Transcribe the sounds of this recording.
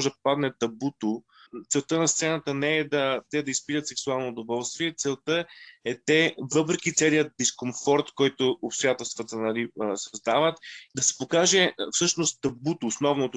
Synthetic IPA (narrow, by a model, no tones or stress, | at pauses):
ɔʒɛd̪ɐpad̪nɛt̪ɐbut̪o | t̪sɛlˠt̪ənɐst̪sɛnət̪ənɛɛd̪ɐt̪ɛd̪ɐispit̪ət̪sɛksualˠnoːd̪ovɔlˠst̪viɛt̪sɛlˠt̪əɛt̪ɛvɤpɾɛkit̪sɛlijət̪̚d̪iskomfɔɾt̪kɔjt̪ʊopst̪ojat̪ɛlˠst̪vət̪ənɐlisɐzd̪avət̪id̪ɐsɛ̥pokaʒɛfsɤʃnost̪t̪ɐbut̪oːsnɔvnot̪o